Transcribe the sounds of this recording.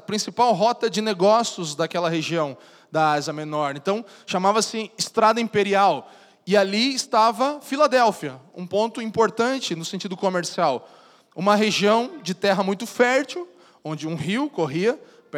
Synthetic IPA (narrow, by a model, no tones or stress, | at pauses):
pɾĩsipawɦɔt̪ɐd͡ʒɪneɡɔsjʊzd̪akɛlɐɦeʒiɐ̃w̃ | d̪ɐaziɐmenɔɾẽt̪ɐ̃w̃ | ʃamavɐsɪɪst̪ɾad̪ɐĩpeɾiaw | ɪaliɪst̪avɐfilad̪ɛwfiɐṵ̃põnt̪ʊĩpoɾt̪ɐ̃nt͡ʃɪnʊsẽnt͡ʃid̪ʊkomeɾsiaw | ũmɐɦeʒiɐ̃w̃d͡ʒɪt̪ɛɦɐmũj̃t̪ʊfɛɾt͡ʃiw | õnd͡ʒɪũɦiwkoɦiɐ | p